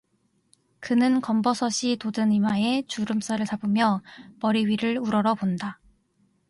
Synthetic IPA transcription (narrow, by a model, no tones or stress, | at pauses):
kɯnɯnkʌmbʌsʰʌɕʰitodɯnimae̞t͡ɕuɾɯms͈aɾɯɭt͡ɕabɯmjʌmʌɾiɥiɾɯɭuɾʌɾʌbonda